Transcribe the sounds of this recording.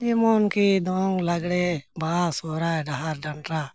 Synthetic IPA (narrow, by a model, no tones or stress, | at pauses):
d͡ʒimɔnkid̪ɔŋɡlaɡɽebaasɔɾaɖaɦaɾɖaɳʈɾa